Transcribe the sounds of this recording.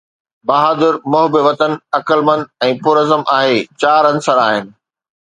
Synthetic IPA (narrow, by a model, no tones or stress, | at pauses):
baːɦaːd̪ɪɾmʊɦbɪʋɐt̪ənɐkəlmə̃nd̪̚ɛ̃ːpuːɾɐzəmʔaːɦet͡ɕaːɾɐ̃nsəɾaːɦɪnɪ̆